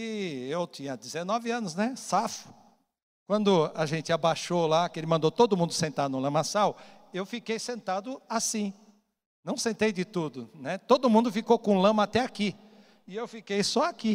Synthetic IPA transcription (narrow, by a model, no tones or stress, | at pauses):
ɪewt̪ĩɲɐd̪ɪzenɔvɪɐ̃nʊznɛsafʊ̥ | kwɐ̃nd̪ʊaʒẽnt͡ʃ̪ɪabaʃolakelɪmɐ̃nd̪owt̪od̪ʊmũnd̪ʊsẽnt̪ad̪ʊnʊ̃lɐ̃masaw | ewfikejsẽnt̪ad̪ʊasĩ | nɐ̃w̃sẽnt̪ejd͡ʒ̪ɪt̪ud̪ʊnɛt̪od̪ʊmũnd̪ʊfikowkõlɐ̃mɐat̪ɛaki | ɪewfikejsɔaki